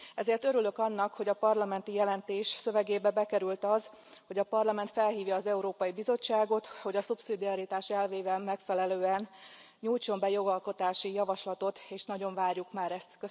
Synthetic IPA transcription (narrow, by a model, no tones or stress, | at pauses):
ɛzeːrt̪øɾylø̞kɒnːɒkho̞ɟɒpɒrlɒmɛnt̪ijɛlɛnt̪eːʃsø̞vɛɡeːbɛbɛkɛɾylt̪ɒz | ho̞ɟɒpɒrlɒmɛnt̪fɛlɦiːvjɒːzɛuɾoːpɒjibizo̞t͡ʃːaːɡo̞t̪ho̞ɟɒsupsid̪iɒɾit̪aːʃɛlveːbɛmɛkfɛlɛløːɛn | ɲuːjt͡ʃo̞mbɛjo̞ɡɒlko̞t̪aːʃijɒvɒʃlɒt̪o̞t̪eːʃnɒɟo̞ɱvaːrjukmaːɾɛst̪kø